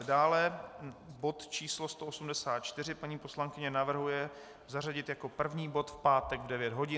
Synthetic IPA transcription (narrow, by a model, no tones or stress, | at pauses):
daːlɛ | bo̞t̪t͡ʃiːslo̞st̪oʔosumdɛsaːt̪̚t͡ʃt̪ɪr̝ɪpaɲiːpo̞slaŋkɪɲɛnavr̩ɦujɛ | zaraɟɪt̪jako̞pr̩vɲiːbo̞t̪fpaːt̪ɛɡvdɛvjɛd̪ɦo̞ɟɪ